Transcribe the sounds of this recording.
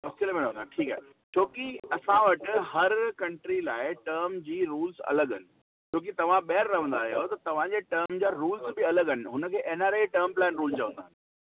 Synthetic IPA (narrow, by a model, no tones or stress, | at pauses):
ɐsiəlmẽɾɐʋə̃nd̪aʈʰiːkaːɦe | t͡ɕʰoːkiɐsãʋɐʈɪ̆ɦɐɾkɐ̃ɳʈɾilaːɪʈəːɾmd͡ʑiːɾuːlzɐ̰ləɠɦɐnɪ̆ | t͡ɕʰoːk̬it̪ɐʋ̤ãɓeːəɾːɐɦə̃nd̪aːɦijot̪ɐt̪ɐʋ̤ãd͡ʑeːʈəːɾmd͡ʑaːɾuːlzbɪɐləɡɦɐnɪ̆ɦʊnə̆kʰeːʔeːnaːɾeʈəɾmplɛːnɾuːlzt͡ɕɐʋə̃nd̪aːɦɪnɪ